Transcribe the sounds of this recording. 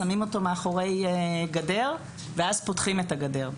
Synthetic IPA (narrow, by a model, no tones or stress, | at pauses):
amimo̞to̞meaχo̞ʁe̞jɡade̞ʁ | veazpotχime̞taɡade̞ʁ